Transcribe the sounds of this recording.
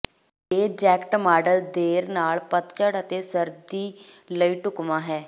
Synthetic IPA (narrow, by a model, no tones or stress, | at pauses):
eːd͡ʒɛːkʈmaːɖəld̪eːɾnaːlpət̪t͡ʃəɽət̪eːsəɾd̪iː | ləiːʈʊkmãːɦɛː